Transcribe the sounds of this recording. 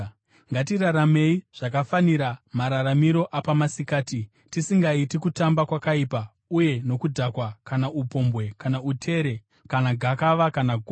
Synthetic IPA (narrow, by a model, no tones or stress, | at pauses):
ŋɡatiɾaɾame̞iʐ̥ak̬afaniɾamaɾaɾamiɾo̞ʔapamasikaːti | tisiŋɡaitikutambakwakaiːpa | uje̞no̞kudʱakwakanaupo̞mbwe̞kanautʰe̞ɾe̞ | kanaɡʱakaʋakanaɡʱo